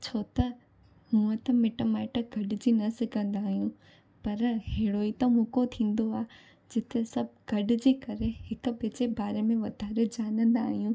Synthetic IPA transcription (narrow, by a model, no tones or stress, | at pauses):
t͡ɕʰoːt̪ɐ | mũːə̃t̪ɐmɪʈomaːɪʈəɡʱɐɖɪd͡ʑinɐsɪkʰə̃nd̪aːɦijũ | pɐɾɦeːɽoːit̪ɐmũkot̪ʰĩːn̆d̪oaː | d͡ʑɪt̪esɐbʱɡʱɐɖɪ̆d͡ʑiːkɐɾeɦɪkʊ̆bɪt͡ɕebaːɾemẽʋɐd̪ʱaːɾed͡ʑaːnə̃nd̪aːɦijũ